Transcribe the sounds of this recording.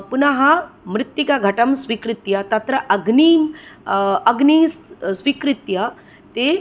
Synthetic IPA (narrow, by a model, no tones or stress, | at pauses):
punaɦamɾɪt̪jikaɡʱɐʈəmsʋikɾit̪jat̪at̪ɾəʔɐɡniːm | ɐɡniːssʋikɾit̪ja | t̪e